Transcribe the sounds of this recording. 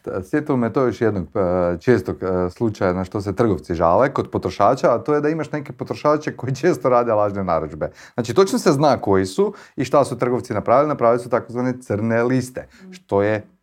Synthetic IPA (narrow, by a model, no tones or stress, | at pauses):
sʋjet̪iomt̪ojoʃjed̪noɡt͡ʃeːst̪oɡslˠut͡ʃajanaʃt̪o̞s̬et̪r̩ɡoʋ̪siʒa̰lekod̪po̞t̪ɾoʃaːt͡ʃaːt̪ojed̪aimaʃnekepo̞t̪ɾoʃaːt͡ʃeko̞jit͡ʃeːst̪oɾaːd̪elˠaːʒnenaɾud͡ʒbe̞ | znaːt͡ʃit̪o̞t͡ʃnoseznaːko̞jisuiʃt̪asut̪r̩ɡo̞ʋt̪sinapɾaːʋilinapɾaːʋilisut̪akozʋaːnet̪sərnelist̪eʃt̪o̞je